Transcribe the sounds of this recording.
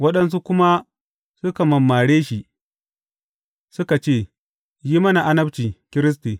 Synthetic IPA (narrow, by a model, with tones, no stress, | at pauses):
wɐ˦ɗɐ˦ns̬u˦kʷʊ˦ma˦ | sʊ˦ka˨mɐ˨mːaː˨ɽeː˦ʃi˨ | sʊ˦ka˨t͡ʃeː˦˨ | ji˦mɐ˦na˨ʔa˦nɐ˦bt͡ʃiː˨kʲɪ˦ɾɪ˦s̬ti˨